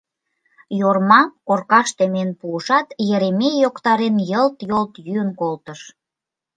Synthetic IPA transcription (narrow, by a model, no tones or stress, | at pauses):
jormɑkorkɑʃt̪emenpuəʃɑt̪jeɾemejokt̪ɑɾenjəlt̪jolt̪jyənkolt̪əʃ